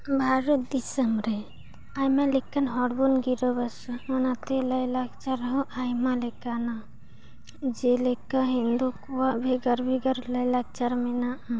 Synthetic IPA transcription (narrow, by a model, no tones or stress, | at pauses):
bʱaɾəd̪isəmɾe | ajmalekːanɦɔɽbonɡiɾəbɐsonat̪elɐjlakt͡ʃaɾɦoʔajmalekana | d͡ʒelekəɦĩnd̪ukuwabʱeɡəɾbʱiɡəɾlɐjlak̚t͡ʃaɾmena